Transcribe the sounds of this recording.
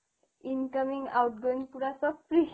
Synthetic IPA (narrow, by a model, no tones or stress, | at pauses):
inkəmiŋɡawʈ̚ɡoĩŋɡpuɽasɔpɾi